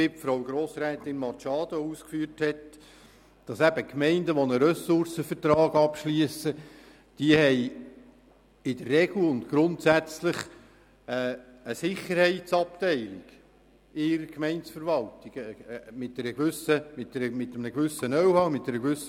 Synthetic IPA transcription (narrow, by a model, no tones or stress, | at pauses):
ɪp̚tfɾowɡɾoːsɾɛːt̪ɪnmɑt͡ʃɑːd̥̪ouːskfyːəɾthɛt | d̥ɑsæb̥əkmɛɪndəʋɔnəɾœsʊrsəfərtɾɑːɡɑpʃliəsə | d̥iəhɛɪ | ɪd̪ərːɛɡ̥l̩ʊnt̪ɡ̥ɾʊntsæt͡slɪχ | əsɪχəɾhɛɪtsɑp̚t̪ɛɪlɪɡ̥ | ɪɾəkmɛɪntsfəɾʋɑltɪɡ̥mɪt̚dɛɾəɡ̥ʋʏsəmɪt̚dɛɾəmɪtːəmnəɡʋʏsənœwhɑwmɪtdɛɾəɡʋʏs